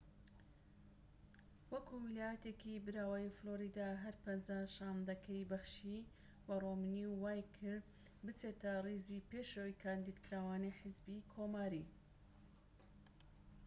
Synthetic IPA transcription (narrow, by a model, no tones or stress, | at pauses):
wɐkuwɪlaːjɐt̪ekibɨɾaːwajifloɾid̪aɦɐɾpɐnd͡ʒaʃaːmd̪ɐkʰɐjbɐxʃi | bɐromɨniwwaːjkʰɨɾ | bɨt͡set̪ɐrizipeʃowjkʰaːnd̪id̪kɨɾaːwaːniħɪzbikʰomaːɾi